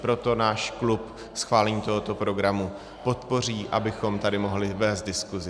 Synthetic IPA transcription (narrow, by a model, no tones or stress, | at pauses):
pɾo̞t̪o̞naːʃklup | sxvaːlɛɲiːt̪o̞ɦot̪o̞pɾo̞ɡɾamu | po̞t̪po̞r̝iːʔabɪxo̞mt̪adɪmo̞ɦlɪvɛːst̪̚dɪskuzɪ